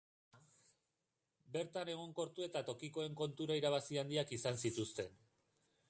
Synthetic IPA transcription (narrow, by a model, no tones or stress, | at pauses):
be̞ɾt̪ane̞ɣ̞o̞ŋko̞ɾt̪ue̞t̪at̪o̞kiko̞e̞ŋko̞nt̪uɾaiɾaβ̞asiand̪iakisansit̪ust̪e̞n